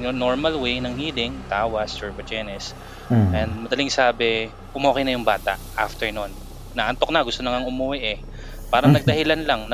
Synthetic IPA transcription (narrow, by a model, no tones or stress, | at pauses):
jonoɹmɐlwejnɐŋhiːlɪŋt̪aːwɐst͡ʃɛɹbɐd͡ʒɛnɛs | ʔɛnd̪̚mɐd̪ɐlɪŋsaːbɛ | ʔʊmoːkɐjnɐjʊŋbaːt̪a̰ʔʔaft̪ɛɹnonː | ɐʔɐnt̪o̞k̚nɐɡʊst̪onɐŋɐŋʊmuwɛʔɛ | paːɾɐŋnɐɡ̚d̪ɐɦhɪlanlaŋnɐ